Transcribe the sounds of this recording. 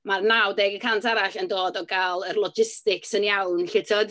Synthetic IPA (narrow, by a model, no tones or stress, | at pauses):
marnawdɛɡəkʰantʰaɾaɬəndoːdɔɡalˠərlˠɔd͡ʒɪstɪksənjawnɬɪtʰɔd̥